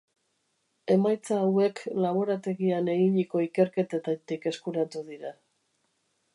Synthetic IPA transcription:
e̞majt͡saːwe̞klaβo̞ɾat̪e̞ɣiane̞ɣiɲiko̞ike̞ɾke̞t̪et̪at̪ike̞skuɾat̪uðiɾa

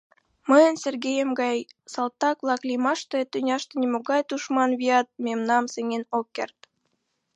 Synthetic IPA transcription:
məjənserɡejəmɡɑjsɑlˠt̪ːɑkβlˠɑklimɑʃt̪et̪ːynʲɑʃt̪enʲemoɣɑjt̪uʃmɑnβiɑt̪̚memnɑmseŋenokːḛrt̪̚

